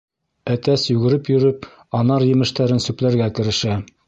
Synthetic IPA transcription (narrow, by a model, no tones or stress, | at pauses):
æt̪æsjʉɡɘ̆ɾɘpjɵ̆ɾɘp̚ | ɑnɑɾjɘ̆mɘ̆ʃt̪æɾɘnsʉplæɾɡækɘ̆ɾɘ̆ʃæ